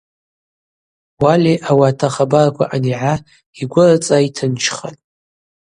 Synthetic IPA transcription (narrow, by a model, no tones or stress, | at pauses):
waliʔawaːtʰaχabarakʷʰa̰ʔaniʕa | iɡʷʊrat͡sʼaitʰɨnt͡ʃʰχa̰tʼ